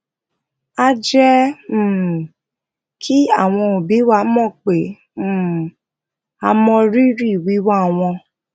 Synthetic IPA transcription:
a˦d͡ʒɛ˦˨ | kʰi˦a˦˨w̃ɔ̃˧o˨bi˨˦wa˧˦mɔ̃˦˨k͡pe˨˦˨ | a˧mɔ̃˧ɾi˦ɾi˦˨wi˨˦wa˦˨w̃ɔ̃˧

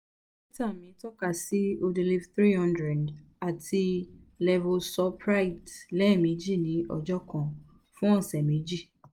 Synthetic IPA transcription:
ĩ˦ta˦˨mĩ˨˦tɔ˦ka˦˨si˦o˧du˧li˦fθɾi˦hɔ̃˦ndɾɛ˨d | a˨tʰi˧lɛ˧vɔ˧sɔ˦pɾa˦i˨tlɛ˦˨mĩ˨˦d͡ʒi˦˨nĩ˨˦ʔɔ˧d͡ʒɔ˦kɔ̃˦˨ | fũ˦ɔ̃˦˨sɛ˨mĩ˨˦d͡ʒi˦˨

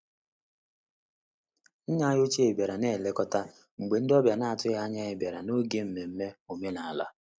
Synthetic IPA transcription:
ɲa˦a˦jo˦t͡ʃe˦e˨be˨ɾa˨ne˦˨le˦kɔ˦ta˦ | ŋ͡m̩˨ɡ͡be˨n̩˦dɔ˦bja˨na˦a˨tʊ˦ɪ˦ɦa˦ɲa˦e˨be˨ɾa˨no˦ɡe˦m̩˨me˨m̩˦me˦o˨m˦e˦na˨a˨la̰˦

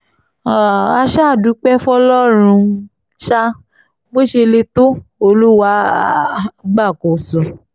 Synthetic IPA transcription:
a˨a˧ʃa˦˨du˨˦k͡pɛ˦fɔ˦lɔ˦ɾ̃ũ˧ | ʃa˦ | bo˦ʃe˧le˧to˦o˧lu˦wa˧˦ | ɡ͡ba˦˨ko˨sũ˨

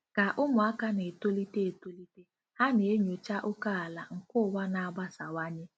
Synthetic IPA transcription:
ka˨ʔʊ˦mʊ˨a˦ka˦ne˨e˨to˦li˦te˦e˨to˦li˦te˦ | ha˦ne˨e˦ɲo˨t͡ʃa˦ʔʊ˦ka˦a˨la˨ŋ̩˨kʊ˦˨wa˦na˨˦ba˦sa˨wa˦ɲɪ˦

